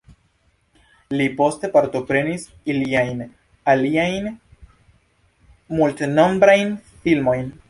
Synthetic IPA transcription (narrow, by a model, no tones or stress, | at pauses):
lipo̞ste̞paɾto̞pɾe̞nis | iliajn | aliajn | multno̞mbɾajnfilmo̞jn